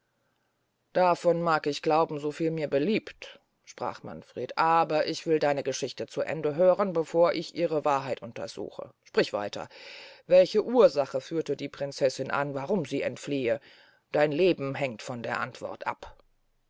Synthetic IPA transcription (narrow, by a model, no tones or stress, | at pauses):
d̥afɔnmaːkɪçɡ̥laʊbm̩zofiːlmiːɐbəliːpt | ʃpʁ̥a̰ːχma̰nfʁ̥ḛːtʔaːbɐʔɪçv̥ɪldaɪnəɡəʃɪçtət͡suʔɛ̰ndəɦøːʁənbəfoːɐʔɪçʔiːʁəvaːɐɦaɪtʔʊntɐ̰z̥ṵːxə̰ʃpʁ̥ɪçv̥a̰ɪtʰɐ̰vɛlçəʔuːɐzaχəfyːɐtədiːpʁ̥ɪnt͡sɛsɪnʔa̰nvaʁʊmziːʔɛ̰ntfliːə | d̥aɪnleːbm̩ɦɛŋtfɔndeːɐʔantv̥ɔ̰ɐtʔa̰p